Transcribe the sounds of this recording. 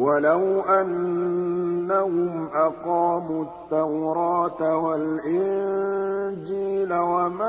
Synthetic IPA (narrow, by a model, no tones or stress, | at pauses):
walawʔanː | ahʊmʔɑqɑːmuːt̪ːawɾɑːt̪awalʔɪn | d͡ʒiːlawama